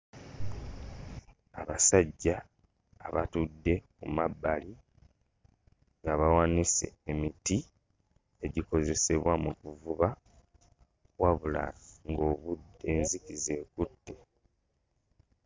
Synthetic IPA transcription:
aβasaɟːaː | βatudːe̞kumabːali | ŋɡaβawanise̞̰emiti | e̞ɟiko̞ze̞se̞βwamukuvuβa | waβula̰ŋɡo̞βude̞ːnzikize̞ːkutːe̞

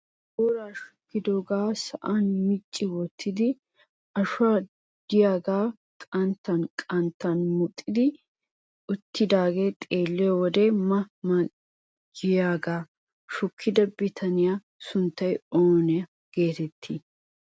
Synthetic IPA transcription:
boːɾaːʃʊ̥kːɪd̪oːɡaːsɐʔanmɪt͡ʃʼːɪwɔt̪ʰːɪd̪ɪ | ɐʃʊaː | d̪̥ɪjaːɡaː | kʼɐnt̪ːɐnkʼɐnt̪ːɐnmʊt̪ʼːɪd̪ɪ | ʊt̪ːɪd̪aːɡe̞ːt̪ʼeːlːɪjɔwɔd̪emɐmɐ | d͡ʒɪjaːɡaː | ʃʊkʰːɪd̪ɐbɪt̪ʰɐnɪja | sʊnt̪ːɐjoːnɪɐ | ɡ̥e̞ːt̪ɛt̪ʰːi

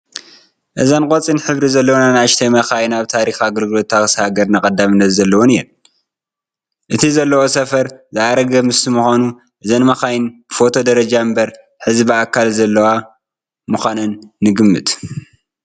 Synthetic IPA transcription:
ʔɨzankʼot͡sʼinħɨβɾizɐlːɐwnanaʃt̪ʰɐjmɐxajnaβt̪ʰaɾixaɡɐlɡɨlo̞t̪ːaxshaɡɐɾnɐkʼɐd̪ːamɨnːɐt̪zɐlːɐwonijɛl | ʔɨt̪ʰizɐlːɐwo̞sɐfɐɾzɨaɾɐɡɐmɨst̪imuxʷanu | ʔɨzɐnmɐxajnbfo̞t̪ʰo̞d̪ɐɾɐd͡ʒambɐɾ | ħɨzbiakʰːalzɐlːɐwa | mɨxʷanɨnːɨɡɨmːɨ̰t̪

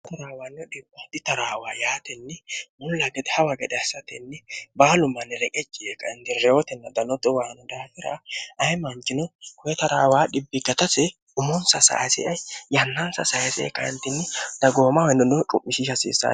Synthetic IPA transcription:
t̪ɐɾaːwaːnːɛdɪbad̪ɪt̪ɐɾaːwaːjaːt̪ɛnːɛmʊlːɐɡɛd̪ɛhɐwɐɡɛd̪ɛɐsɐt̪ɛnːɛbaːlʊmːɐnːɛɾɛkʼɛt͡ʃʼːɪʔekːɐɛnt̪ɪɾɛɔt̪ɛnːɐd̪ɐnɔd̪ɔwaːnɔd̪aːfɪɾɐ̰ʔɐjmɐnt͡ʃʼːɪnɔkʊjɛt̪ɐɾaːwaːɗɪbːɪɡɐt̪ɐsɛ | ʊmɔnsɐsa̰sɛ̰ʔɐjjɐnːɐnsɐ̰sɐɛsɛɛ̰kːɐɪnt̪ːɪnːɛd̪̥ɐɡo̞ːmɐwjnd̪ɔnːɔt͡ʃʼʊ̰mːɪʃɪʃɐsḭːsːa̰

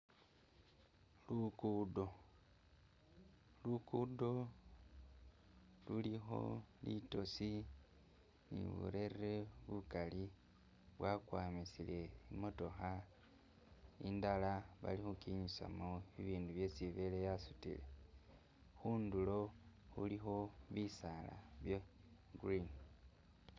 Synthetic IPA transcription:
lukudo̞ | lukudo̞ | lulixo̞̰lḭto̞si | nḭβṵɾe̞reβukali | βwakwaːmisile̞imo̞to̞xa | indalaβa̰lixukiɲisa̰moiβiːnduβje̞siβe̞lejasutḭle | xuːndulo̞xṵlixo̞βisala̰βjeɡrin

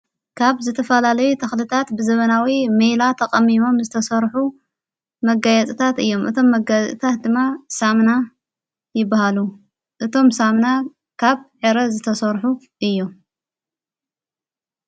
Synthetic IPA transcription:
kʰaβzɨt̪ʰɐfɐlalɐjut̪ʰɐxlɨt̪ʰat̪bɨzɐβɐnawimejlat̪ʰɐqʼɐmimo̞mzɨt̪ʰɐsɐɾħu | mɐɡajɐt͡sʼit̪ʰat̪ɨjːo̞mʔɨt̪ʰo̞mːɐɡat͡sʼḭt̪ʰat̪̚d̪ɨmːasamna | jɪbːahalu | ʔɨt̪ʰo̞msamna | kʰaβħeɾɐzɨt̪ʰɐsɐɾħu | ʔɨjːom

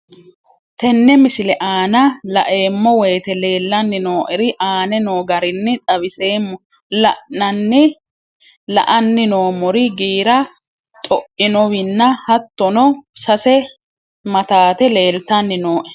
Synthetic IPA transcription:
t̪ɛnːɛmɪsɪlɛʔaːnɐlɐʔe̞ːmːɔweːt̪ɛle̞ːlːɐnːɪnoːʔɛɾɪʔaːnɛnoːɡɐɾɪnːɪt̪ʼɐβɪseːmːɔ | lɐʔnɐnːɪ | lɐ̰ʔɐnːɪno̞ːmɔɾɪɡiːɾɐ | t̪ʼɔʔɪnɔwɪnːɐhɐt̪ːɔnɔsɐsɛ | mɐt̪aːt̪ɛle̞ːlt̪ɐnːɪnoːʔɛ̥

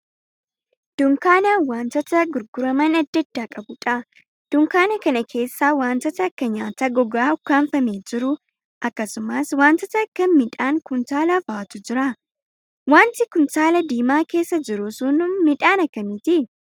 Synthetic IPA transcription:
d̪̥ʊŋkaːnawaːnt̪ɐt̪ɐɡʊɾɡʊɾɐmɐnɐd̪ːɐd̪̥ːaːkʼɐbʊᶑɐ | d̪̥ʊŋkaːnɐkɐnɐkʰe̞ːsːaːwaːnt̪ɐt̪ɐːkːɐɲaːt̪ɐɡɔɡaːʊkːaːnfɐmeːd͡ʒɪɾʊ | ʔɐkːɐsʊmaswaːnt̪ɐt̪ɐːkːɐmɪᶑaːŋkʊnt̪aːlafaːt̪ʊd͡ʒɪɾa | waːnt̪ɪkʊnt̪aːlɐd̪iːmaːke̞ːsːɐd͡ʒɪɾʊsʊnʊmɪᶑaːnɐkːɐmɪt̪ɪ

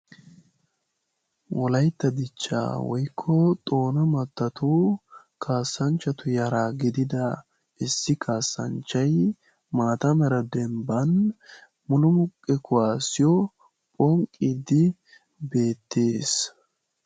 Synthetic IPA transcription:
wɔlɐjt̪ːɐd̪ɪt͡ʃːa̰ːwɔjkʰːɔt̪ʼo̞ːnɐmɐt̪ːɐt̪u | kʰaːsːɐnt͡ʃːɐt̪ʊjɐɾaːɡɪd̪ɪd̪ɐ | ɪsːɪkʰaːsːɐ̰nt͡ʃːɐj | maːt̪ɐmɛɾɐd̪ɛmbɐn | mʊnʊmʊkʼːɛkʰʊwaːsɪjɔ | pʼɔŋkʼːiːd̪ɪ | be̞ːt̪ːe̞ːs

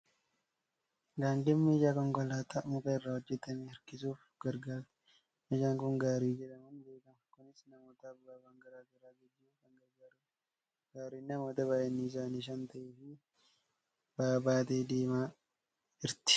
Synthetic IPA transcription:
ɡaːndɪmːiːd͡ʒaːkɔŋkɔlaːt̪ɐʔmʊkɐɪrːahɔd͡ʒːɛt̪ːɐmeːɐɾkɪsuːf | ɡ̥ɐɾɡaːɾt̪ | ɪʃaːŋkʊŋɡaːɾiːd͡ʒɛᶑɐmɐnbe̞ːkɐmɐkʊnɪsnɐmoːt̪ɐːbːaːbaŋɡɐɾaːɡɐɾaːɡɛɡːɪkɐŋɡɐɾɡaːɾ | ɡaːɾiːnːɐmo̞ːt̪ɐbaːʔɛnːɪɪs̬aːniʃ̬ɐnt̪ɐʔɛfɪ | b̥aːbaːt̪eːd̪eːmaː | ɪɾt̪ɪ̥

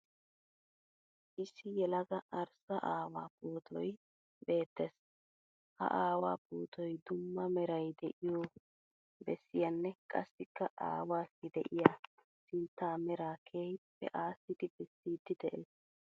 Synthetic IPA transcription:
ʔɪsɪjɛlɐɡɐʔɐɾsɐʔaːwa̰ːpoːt̪ʰɔj | be̞ːt̪ːes | hɐ̰ʔaːwaːpoːt̪ʰɔjd̪ʊmːɐmɛɾɐjd̪ɛʔɪjoː | bɛ̰sːɪjɐnːɛkʼɐsːɪkːɐʔa̰ːwaːsɪd̪ɛʔɪja | sɪnt̪ːaːmɛɾaːkʰeːjpːɛ̰ʔaːsːɪd̪ɪbɛsːiːd̪ɪd̪ɛʔes

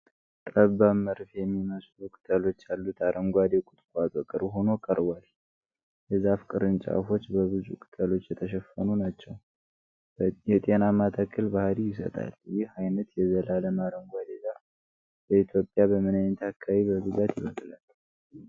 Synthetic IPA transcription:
t̪ʼəbaməɾfjɛmːiməslukʼɨ̥t̪ʼʰəlo̞t͡ʃːjalːut̪ʰaɾʔəŋɡʷad̪ekʼʊt̪ʼkʷʼat̪ʼɔkʼɨɾɦo̞no̞kʼəɾwal | jɛzafkʼɨɾɨnt͡ʃʼa̰fo̞t͡ʃːbəβɨzṵkʰʼɨ̥t̪ʼʰəlo̞t͡ʃːjɛt̪ʰəʃɛfːənunat͡ʃːɛw | jɛt̪ʼe̞namat̪ʰakʰʼːəlbahɾijɪs̬ə̰t̪ʼa̰ljɪhajnət̪jɛzəlaləmaɾəŋɡʷad̪eɡa | bəit̪ʰjo̞pʼːjabəmɨnaɲːt̪ʰakʰːaβibəɡɨzat̪jɪβət̪ʼlal

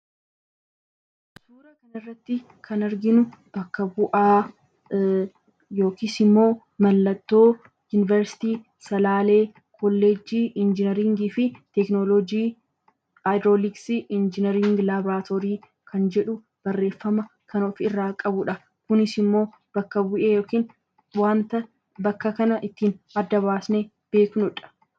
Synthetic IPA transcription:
d̪uːɾɐkɐnɐɪrːɐt̪ːɪ | kʰɐnɐɾɡɪnʊbɐkːɐbʊʔaː | jo̞ːkiːsɪmːo̞ː | mɐlːɐt̪ːo̞ː | juːnɪvɛɾsɪ̥t̪iː | sɐlaːle̞ː | kʰɔlːed͡ʒiːʔɪnd͡ʒɪnɛɾiŋɡiːfɪt̪ɛknolɔd͡ʒiː | ajd̪ɾoːlɪksɪʔɪnd͡ʒɪnɛɾɪŋɡlaːbɾaːt̪ʰoːɾiː | kʰɐnd͡ʒɛᶑʊ | b̥ɐrːe̞ːfːɐmɐkʰɐnoːfɪrːaːkʼɐbʊᶑɐ | kʊnɪsɪmːo̞ː | b̥ɐkːɐbʊʔeːjo̞ːkiːn | waːnt̪ɐ | bɐkːɐkɐnɐʔɪt̪ːiːnɐd̪ːɐβaːsne | b̥e̞ːknʊᶑɐ̥

